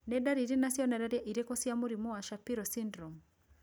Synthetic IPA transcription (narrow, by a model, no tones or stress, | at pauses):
nɛdaɾiɾinasiɔnɛdaɾiʔiɾekɔsiamuɾimɔaʃapiɾɔsindɾɔm